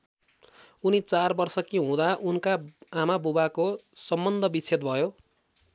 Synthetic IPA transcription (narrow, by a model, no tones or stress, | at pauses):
unit͡sarbʌrsʌkiɦũd̪aʔunkaamabubakosʌmbʌnd̪ʱʌbit͡sʰet̪̚bʱʌjo